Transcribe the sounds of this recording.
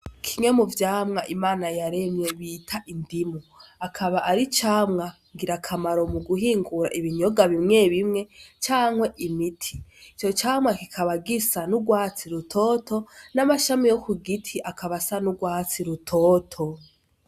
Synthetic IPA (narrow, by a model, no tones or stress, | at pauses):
kʰiŋe̞muvjaːmŋaʔimaːnajaɾe̞mɲe̞βiːtʰaʔindimoakʰaβaʔaɾit͡ʃaːmŋa | ŋɡiɾakʰamaɾo̞muɡuɦiːŋɡuɾa̰ʔiβiɲo̞ɡaβimŋe̞βimŋe̞t͡ʃaːŋwe̞ʔimitʰiit͡ʃo̞t͡ʃaːmŋakikʰaβaɡisanuɡwaːt͡siɾutʰotʰo̞namaʃamijokuɡitʰiʔakʰaβasanuɡwaːt͡siɾutʰoːtʰo̞